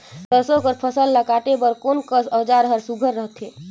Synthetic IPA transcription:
t̪əɾsõkəɾpʰəsəlːakaʈebəɾkoːnkəsəd͡ʒaɾəɦəɾsuɡʱəɾːəɦət̪ɦeː

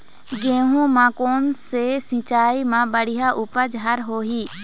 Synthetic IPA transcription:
ɡẽːɦũmãkoːnsesɪ̃ːt͡ʃaːimãbəɽɪjaʔʊːpəd͡ʒɦaɾɦoːɦiː

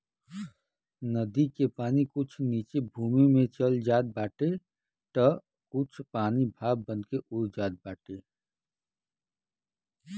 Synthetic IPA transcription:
nəd̪ikepaːnikʊt͡ʃʰniːt͡ʃebʱuːmimẽt͡ʃəld͡ʒaːd̪̚baːʈe | t̪ə | kʊt͡ʃʰpaːnibʱaːb̚bənkeʔʊɾd͡ʒaːd̪̚baːʈe

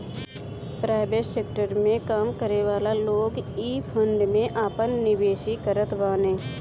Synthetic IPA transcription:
pɾaːɪbeʃseːk̚ʈəɾmẽkaːmkəɾeʋaːlaloːɡiːpʰə̃ɳɖmẽʔaːpənːɪbeːʃikəɾət̪baːnẽː

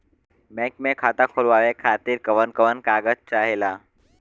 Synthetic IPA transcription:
mɛk̚mekʰat̪akʰolʋaʋekʰat̪iːɾkəʋənkəʋənkaɡət̚t͡ɕaɦela

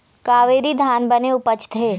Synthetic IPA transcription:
kaːʋeːɾid̪ʱaːnbɐneʊpət͡ʃt̪ɦeː

